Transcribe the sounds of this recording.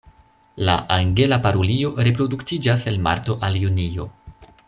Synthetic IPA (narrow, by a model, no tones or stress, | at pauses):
la̰ʔaŋɡe̞lapaɾolio̞ɾe̞pɾo̞duktid͡ʒase̞lma̰ɾto̞ʔaljunio̞̰